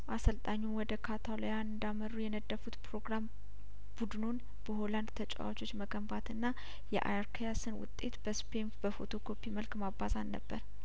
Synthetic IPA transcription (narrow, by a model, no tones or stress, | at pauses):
ʔasəlt̪ʼaɲːuwɔd̪əkʰat̪ʰalojanɨnd̪aməɾujɛnəd̪ːəfut̪pɾo̞ɡɾam | b̥ud̪ɨno̞n | b̥əho̞land̪t̪ʰət͡ʃʼa̰wat͡ʃo̞t͡ʃːməɡəmbat̪ɨnːa | jɛ̰ʔa̰jaɾkʰajasɨnwʊ̰t̪ʼːe̞t̪b̥əspʰemfbəfo̞̰t̪ʰo̞kʰo̞pʰːiməlkmabazanːə̰bːə̰ɾ